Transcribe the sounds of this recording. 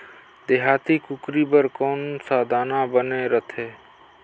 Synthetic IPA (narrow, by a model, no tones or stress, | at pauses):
d̪eɦaːt̪ikʊkɾibəɾkɔːnsaːd̪ʱaːnabəneɾət̪ʰeː